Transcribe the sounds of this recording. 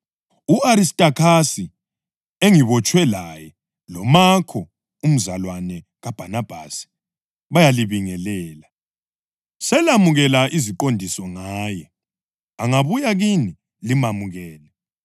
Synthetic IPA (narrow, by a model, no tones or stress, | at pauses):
uaɾistʼakʰasi | eŋiβɔt͡ʃʼwɛlajɛ | lɔmakʰɔ | um̩zalwanɛ | ɣab̥ʱanab̥ʱasi̥ | βajaliβiŋɛlɛːla | sɛlamuɣɛlaʔizikʼondʱisɔŋaːjɛ | aŋaβujaɣini | limamuɣɛːlɛ